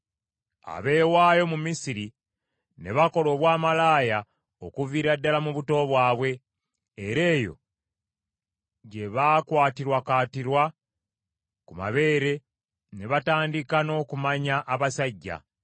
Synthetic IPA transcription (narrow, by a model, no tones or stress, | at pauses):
a̰βe̞ːwaːjo̞mumisiɾi | ne̞βako̞lo̞ːβwaːmalaːja | okuviːɾadːalamuβuto̞βwaːβwe̞ː | ɾe̞ːjo̞̰ | ɟe̞βaːkwaːtiɾwakaːtiɾwa | kuma̰βe̞ːɾe̞ | ne̞βataːndikano̞ːkumaɲaʔːβasaɟːa̰